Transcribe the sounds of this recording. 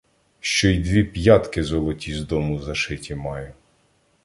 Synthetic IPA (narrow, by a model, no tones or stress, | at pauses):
ʃt͡ʃɔid̪ʋʲipjɑt̪kɪzɔlˠɔtʲizd̪ɔmʊzɐʃɪtʲimɑjʊ